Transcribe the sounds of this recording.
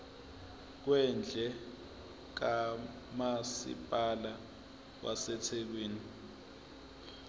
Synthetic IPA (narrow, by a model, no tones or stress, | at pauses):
k̬wɛnd͡ɮʱɛ | k̬a | masḭpʼala | k̬wa̰sɛtʰek̬wiːni